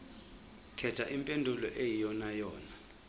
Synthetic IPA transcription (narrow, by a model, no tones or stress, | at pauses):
kʰɛ̥aʔimpʼendʱulɔ̰ʔejijɔnajɔːna